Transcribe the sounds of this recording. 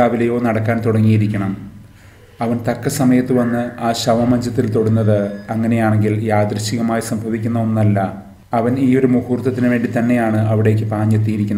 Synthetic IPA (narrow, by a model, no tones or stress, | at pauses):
aːʋilɐjo̞ːnɐɽɐkːaːnt̪uɽɐŋːijiɾikʲːɐɳɐm | ɐʋɐnt̪ɐkːɐsɐmɐjɐt̪ːɨʋɐnːɨaːɕɐʋɐmɐɲd͡ʑɐt̪̬ːilt̪oɽunːɐðɨɐŋːɐne̞jaːɳe̞ŋɡiljaːd̪rɐɕiɣɐmaːjsɐmbʱɐʋikʲːunːɐonːɐlːɐ | ɐʋɐniːo̞ɾumuhuːrt̪ːɐt̪ːinɨʋeːɳɖit̪ɐnːe̞jaːɳɨɐʋiɽe̞ːk̬ːɨpaːɲːet̪ːijiɾikʲːun